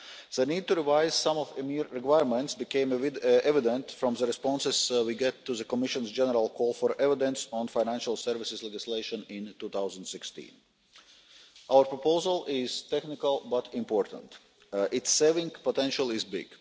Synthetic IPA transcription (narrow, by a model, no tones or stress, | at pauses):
ð̥əniːd̚t̪uɾivaɪz̥sãmɔfəmiɾːɛkwaɪəɾmɛ̃ntsbikẽɪ̃mɛvɪd̪ə̃ntfɾɔ̃mðəɾɛspɔ̃nsɪz̥wiɡɛt̪ːuðəkɔmɪʃə̃nzd͡ʒɛnəɾalˠkʰɔːlˠfɔɾɛvɪd̪ɛ̃nsɔ̃nfaɪnæ̃nʃalˠsɛɾvɪsɪzlɛd͡ʒɪsleɪʃə̃nɪ̃nt̪uːθaʊzə̃nd̪sɪkst̪ḭ̃n | ʔaʊəɾpɹɔpoʊzəlˠɪz̥t̪ɛknɪkalˠbɐt̪ɪ̃mpɔːɾt̪ə̰̃nt̪ | ɪtsːeɪvĩŋɡpot̪ɛ̃nʃalˠɪzbɪ̰ɡ̥